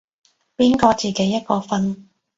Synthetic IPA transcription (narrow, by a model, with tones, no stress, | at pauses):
piː˥nkɔː˧t͡siː˨ke˨˥˦jːɐ˥t̚kɔː˧fɐ˧n